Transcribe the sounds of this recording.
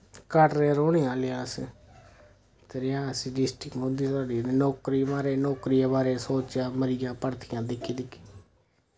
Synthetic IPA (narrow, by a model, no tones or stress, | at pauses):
kəʈɾeɾoːniːãːlejaːsẽː | t̪eɾɪãːəsĩːɖɪsʈɪkɦõːnd̪iːt̪aːɖiːnːnɔːkɾiːbaːɾeːnɔːkɾiːeːbaːɾeːsoːt͡ʃjaːməɾɪːaːpəɽt̪ʰɪjãːd̪ɪkʰːiːd̪ɪkʰːi̥ː